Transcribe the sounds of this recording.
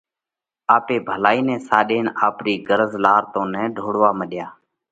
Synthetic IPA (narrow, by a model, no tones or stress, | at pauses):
aːpeːbʱəlaːiːnɛ̃ːsaːɗeːnaːpɾiːɡəɾəzlaːɾt̪õːnɛ̃ːɖʱoːɽʋaːməɗjaː